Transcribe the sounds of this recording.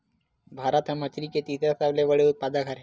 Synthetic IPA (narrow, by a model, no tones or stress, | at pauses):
bʱaɾət̪ɦamət͡ɕɾiket̪it̪ɾasaʋleʋəɭeut̪̚pad̪akʰaɾɦe